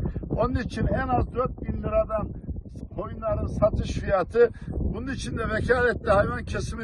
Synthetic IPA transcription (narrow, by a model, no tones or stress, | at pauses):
o̞nunit͡ʃʰinɛnazd̪ɾøt̪̚binliɾad̪an | kʰojunlˠaɾɯnsat̪ʰɯʃfijat̪ʰɯbununit͡ʃʰind̪ɛvɛcʰaːlɛt̪ːɛhajvancʰɛsimi